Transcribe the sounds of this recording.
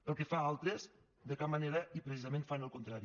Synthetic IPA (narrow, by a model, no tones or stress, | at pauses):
pəlˠkefaalˠt̪ɾez | ðəkamːaneɾəʔipɾesizəmẽnfanəlˠkunt̪ɾaɾi